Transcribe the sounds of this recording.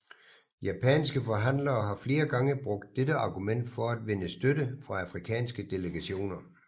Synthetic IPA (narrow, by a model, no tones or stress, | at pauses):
jæpʰɛ̰nsɡ̥əfɒ̽ɦæn̰lɐːɦɑ̈fle̝ːɐɡ̥ɑ̈ŋəb̥ʁɔ̽ɡ̥̚d̥̚ːedəɑ̈ɡ̥umen̰d̥fɒ̽æd̥ʋe̝nəsd̥ødəfʁɑ̈æfʁikʰɛ̰ːnsɡ̥əd̥e̝ləɡ̥æɕo̝̰ːnɐ